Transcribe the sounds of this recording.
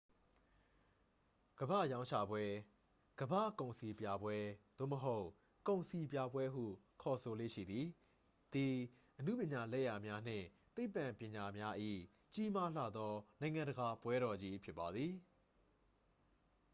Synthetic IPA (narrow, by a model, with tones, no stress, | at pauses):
ɡ̥əbä̰˦˨jã˦ʊ̃t͡ɕʰa̰˦˨bwɛ˦ | ɡ̥əbä̰˦˨kõ˨ʊ̃si˨pja˨bwɛ˦d̪̥o̰˦˨məɦo˦ʊʔ | kõ˨ʊ̃si˨pja˦bwɛ˦ɦṵ˦˨ | kʰɔ˨so˨lḛ˦˨ʃḭ˦˨d̪i˨ | d̪̥i˨ | ʔənṵ˦˨pjɪ̃˨ɲa˨lɛ̰˦˨ja˨mja˦n̥ɪ̰̃˦˨ | t̪e˦ɪpːã˨mpjɪ̃˨ɲa˨mja˦ʔḭ˦˨ | t͡ɕi˦ma˦l̥a̰˦˨d̪ɔ˦nã˨ɪ̃ŋã˨ndəɡa˨pwɛ˦ɾɔ˨d͡ʑi˦pʰjɪ˦pːa˨d̪ði˨